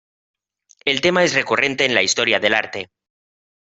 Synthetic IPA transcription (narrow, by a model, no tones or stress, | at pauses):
e̞lt̪e̞mae̞sre̞kure̞nt̪e̞ːnlaist̪o̞ɾjaðe̞la̰ɾt̪e̞